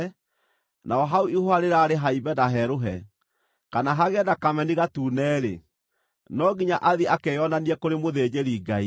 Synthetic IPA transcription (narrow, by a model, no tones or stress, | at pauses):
nʔaɔɦauihoaɾeɾaːɾeɦaibɛdaɦɛɾoɦɛ̰ | kanaɦaɣɛdakamɛniɣatuːnɛːɾḛ | nɔɣiɲaʔaðiakɛjɔnaniɛkoɾemoðeːd͡ʑeɾiːɡai